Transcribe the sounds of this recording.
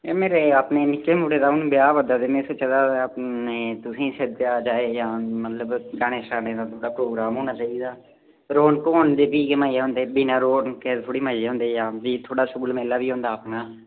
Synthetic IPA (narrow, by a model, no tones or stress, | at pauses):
eːmeːɾeːəpneːnɪkːeːmuːɽeːd̪aːʊnbjaːʋəd̪aːd̪eːmẽːset͡ʃəd̪aːpneːt̪ʊsĩːsed̪jaːd͡ʒaːeːjaːmət̪ləbɡaːɽ̃eːsaːneːd̪aːt̪ʰoːɽaːpɾoːɡɾaːmɦõːñaːt͡ʃaːiːd̪aː | ɾoːnkoːnd̪eːbiːkemaːijeːɦʊ̃nd̪eːbiːnãːɾoːnket̪ʰoːɽiːmaːeːɦʊ̃nd̪eːjaːʋiːt̪ʰoːɽaːsʊɡəlmeːlaːʋiːɦõːnd̪aːəpnaː